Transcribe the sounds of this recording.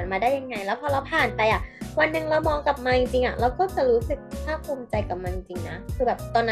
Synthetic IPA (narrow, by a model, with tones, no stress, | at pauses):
nmaː˧daː˥˩ja˧ŋːa˧jlɛː˦˥wpʰɔː˧ɾa˧wpʰaː˨˩npaː˨˩ʔa˨˩wa˧nːɯ˨˩ŋɾa˧wmɔː˧ŋka˨˩p̚maː˧t͡ɕi˧ŋt͡ɕi˧ŋʔa˨˩ɾa˧wkɔː˥˩t͡ɕa˨˩ɾuː˦˥sɯ˨˩k̪̚ʰaː˥˩kʰuː˧mt͡ɕa˧jka˨˩maː˧t͡ɕi˧ŋt͡ɕi˧ŋna˦˥kʰɯː˧bɛː˨˩p̚t̪ɔː˧nː˦